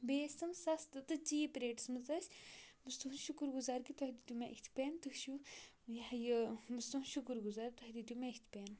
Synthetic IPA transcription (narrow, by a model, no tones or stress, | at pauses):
beːsʲɨmsɐst̪ɨt̪ɨt͡ʃiːpɾeːʈsmɨt͡sɐsʲbɨst̪unʃukɾɡuzaːɾkit̪ɔɦd̪it̪ʲumẽʔikʲt̪ʰʲpeːnt̪ɨhʃu | jhjɨbɨst̪unʃukɾɡuzaːɾt̪ɔɦd̪id̪ʲumeikʲt̪ʰʲpeːn